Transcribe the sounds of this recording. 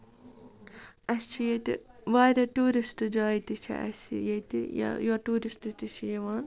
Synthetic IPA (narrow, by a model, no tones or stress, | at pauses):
ɐst͡ʃʰijet̪ḭʋaːɾʲɐʈuːɾisʈɨd͡ʒaːit̪it͡ʃʰɐ̰ʔɐ̰sḭjet̪ij̰joʈuːɾistɨt̪iʃʰijɐʋaːn